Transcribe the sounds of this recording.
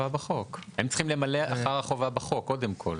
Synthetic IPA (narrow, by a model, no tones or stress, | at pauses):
abaχo̞khemt͡sχimle̞maleʔaχaʁaχovabaχo̞kːo̞demkʰo̞̰l